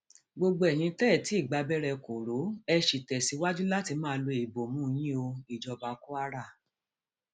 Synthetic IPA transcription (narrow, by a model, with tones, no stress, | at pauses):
ɡ͡bo˧ɡ͡bo˧˦ɛ˨j̃ĩ˧˦tɛ˦˨ti˨˦i˦˨ɡ͡ba˧bɛ˦ɾɛ˧ko˨ɾo˨˦ɛ˧ʃi˨tɛ˨si˨˧˦wa˦d͡ʒu˦la˦ti˧mãː˦˧lo˧i˨bo˨mũ˨˦˧j̃ĩ˦o˧i˨d͡ʒɔ˧ba˨˧ku˦a˦ɾa˦˨